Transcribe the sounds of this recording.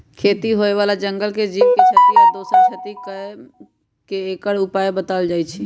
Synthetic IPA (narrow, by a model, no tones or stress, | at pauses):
kʰet̪iɦoeʋalad͡ʒəŋɡəlked͡ʒipket͡ʃʰət̪iked̪osəɾt͡ʃʰet̪ikə | keːkəɽupajbət̪əld͡ʒaːjt͡ʃʰi